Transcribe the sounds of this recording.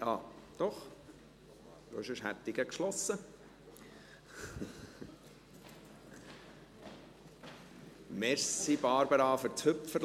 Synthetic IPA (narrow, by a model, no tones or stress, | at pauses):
ɑːd̪̥ɔχ | d̪oɪʃəʃhætːɪɡəkʃlɔsːə | mɛɾsibɑːɾbəɾɑːfəɾt͡shɵpfəɾ